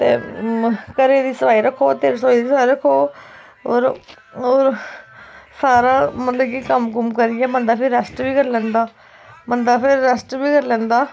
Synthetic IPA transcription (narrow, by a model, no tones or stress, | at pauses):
t̪ḛː | kəɾeːd̪iːsəʋaːiːɾəkʰːoːt̪eɾsoːiːd̪iːsaːiɾəkʰːoː | o̰ːɾ | oːɾ | saːɾaːmət̪ləkiːkəmkəmkəɾɪjɛːmənd̪aːpʰɪɾːəsʈbiːkəɾlɛ̃ːnd̪aː | mənd̪aːpʰɪɾːəsʈbiːkəɾlɛ̃ːnd̪aː